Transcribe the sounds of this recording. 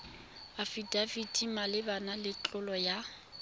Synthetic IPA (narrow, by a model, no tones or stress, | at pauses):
afidavidimalɪbanalɪt͡ɬʼʊlɔja